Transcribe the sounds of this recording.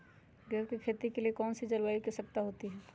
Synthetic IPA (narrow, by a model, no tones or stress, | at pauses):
ɡɐɾkikʰeːt̪ikeliekɔːnsid͡ʒɐlwaːikɐsɐk̚t̪aɦoːt̪iɦɛː